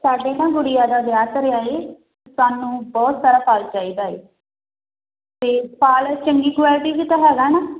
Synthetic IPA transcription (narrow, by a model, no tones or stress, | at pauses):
saːɖeːnãːɡʊɽɪjaːd̪aːbjaːt̪ɾɪjaːe | saːnũːbɔːt̪saːɾaːpʰaːlt͡ʃaːiːd̪aːḛː | t̪eːpʰaːlt͡ʃəŋɡiːkwaːlɪʈiːkit̪aːɦɛːɡaːnaː